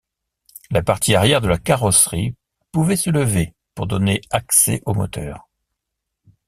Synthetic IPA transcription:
lapaʁt̪ʰiaʁjɛʁd̪əlakaʁɔsʁi | puvɛsələve | puʁd̪ɔneaksɛ̰ʔomɔ̰t̪œ̰ːʁ

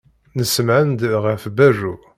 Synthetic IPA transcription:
nəsmʕənd̪ʁəfbæʒu

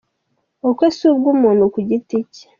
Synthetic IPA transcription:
okwesubɡuːmuːnokuɟitici̥

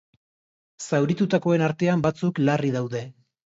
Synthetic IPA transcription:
sawɾit̪ut̪ako̞enaɾt̪e̞ambat͡suklariðawðe̞

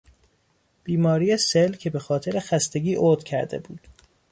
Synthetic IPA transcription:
b̥iːmɒːɾiːjeselcʰe̞be̞xɒːt̪ʰe̞ɾexæst̪e̞ɟʲiːʔoːd̪̥cʰæɾd̪e̞̰bṵːd̪̥

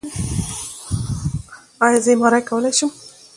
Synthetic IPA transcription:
ɑjɑzəmaɾajkawəlajʃum

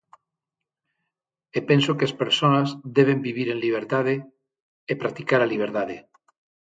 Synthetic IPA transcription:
epensokeespeɾsonazðeβ̞embiβ̞iɾẽ̞nliβ̞eɾt̪aðeː | pɾak̚t̪ikaɾaliβ̞eɾt̪að̞e

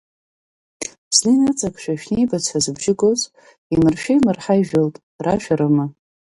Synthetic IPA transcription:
zninat͡sʼakʰʃᶣaʃᶣniijbat͡sʷʰazɨbʒɪɡoz | imɨrʃᶣejmɨrħajʒᶣoltʼ | raʃᶣaɾɨma

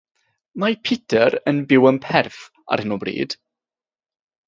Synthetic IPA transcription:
mapʰɪtʰəɾənbɪwəmpʰɛrf | a̰rhɪnɔbrḭːd̥

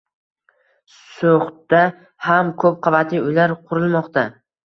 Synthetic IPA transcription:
soχd̪a | hamkʰɵp̚qʰɑvat̪ʰiʊjlaɾqʰʊɾɪlˠmɒqt̪a

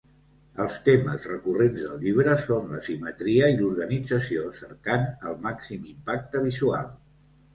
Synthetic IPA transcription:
əlˠst̪emə̰zrəkurenzðə̰lˠʎiβɾəsonlə̰simət̪ɾiəiluɾɣənid͡zəsiosəɾkanəlˠmaksimimpak̚t̪əβ̞izua̰lˠ

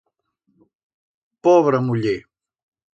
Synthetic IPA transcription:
pɔβɾəmuʎe

